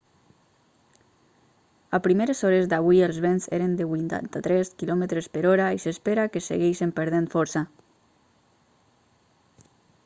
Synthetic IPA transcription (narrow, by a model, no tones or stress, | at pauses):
apɾimeɾezɔɾezd̪aβujelˠzβenzḛɾənd̪əβuint̪a̰nt̪at̪ɾɛskilɔmət̪ɾespəɾɔɾaisespeɾakesḛɣɛjʃempəɾð̞enfɔɾsa